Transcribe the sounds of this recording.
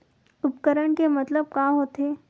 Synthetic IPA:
upkəɾəɳkemət̪ləb̚kaɦot̪e

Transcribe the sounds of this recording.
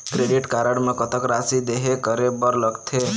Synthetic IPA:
kɾeɖiʈkaɾəɽmẽkət̪əkɾasid̪eɦekəɾebəɾləɡt̪ʰe

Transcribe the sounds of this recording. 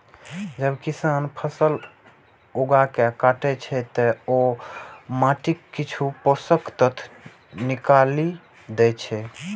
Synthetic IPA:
d͡ʒəbkisanpʰəsəl | oɡakekaʈɛt͡ʃʰɛt̪ɔo | maʈikːit͡ʃʰuposəkt̪ət̪ʰ | nikali | d̪ɛt͡ʃʰɛ

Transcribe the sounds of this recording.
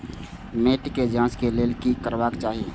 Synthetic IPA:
meːʈked͡ʒãːskeleːlkikəɾʋaːkt͡ʃaːɦieː

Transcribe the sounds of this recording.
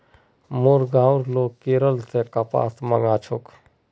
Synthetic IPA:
moɾɡaːʊɾloːkeːɾəlsekapa̰ːt̪məɡaːt͡ʃʰʊk

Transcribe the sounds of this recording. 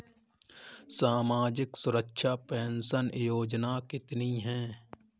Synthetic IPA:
saːmaːd͡ʒɪksʊɾəkʃapɛ̃ːnsənjoːd͡ʒnakɪt̪niɦɛ̃ː

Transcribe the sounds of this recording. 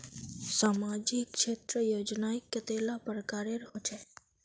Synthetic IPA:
saːmad͡ʒɪkʃeːt̪ɾəjoːd͡ʒnaɪkːət̪elapəɾəkaːɾeɾhot͡ʃʰɛ

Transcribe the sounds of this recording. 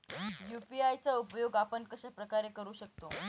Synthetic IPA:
jupiajt͡saupjoɡapənkəɕapɾəkaɾekəɾuːɕək̚t̪o

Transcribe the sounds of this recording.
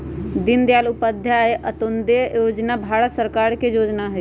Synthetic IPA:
d̪ɪnd̪jaːlʊpəd̪ʱjaeʔət̪ond̪ejoːd͡ʒnabʱaːɽət̪səɾkaːɾkejoːd͡ʒnaɦɛ

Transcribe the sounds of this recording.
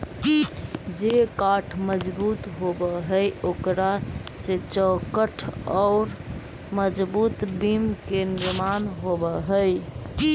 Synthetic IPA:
d͡ʒekaʈʰməd͡ʒbut̪ɦobəɦəjokɾaset͡ʃəkəʈʰɔːɾ | məd͡ʒbut̪bimkeniɾmanɦobəɦəj

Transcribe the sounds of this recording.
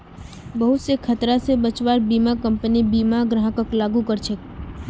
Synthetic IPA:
bəɦʊt̪sekʰət̪ɾasebət͡ʃʋaːɾbiːmakə̃mpənibiːmaɡɾaɦəkəklaːɡũkəɾt͡ʃʰek

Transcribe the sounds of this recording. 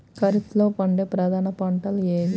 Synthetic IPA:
kɐɾit̪loːpɐɳɖeːpɾɐd̪ʱaːnɐpɐɳʈɐleːʋi

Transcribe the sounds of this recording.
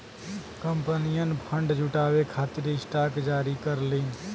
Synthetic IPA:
kəmpənijənpʰəɳɖd͡ʒʱuʈaːwekʰaːt̪ɪɾɪsʈaːkd͡ʒaːɾikəɾliːn

